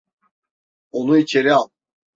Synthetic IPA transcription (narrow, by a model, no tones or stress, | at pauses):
onuit͡ʃʰe̞ɾialˠ